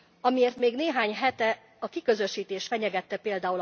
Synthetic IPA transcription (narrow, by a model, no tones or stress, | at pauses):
ɒmieːrt̪meːɡneːɦaːɲɦɛt̪ɛ | ɒkikø̞zø̞ʃiːt̪eːʃfɛɲɛɡɛt̪ːɛpeːld̪aːul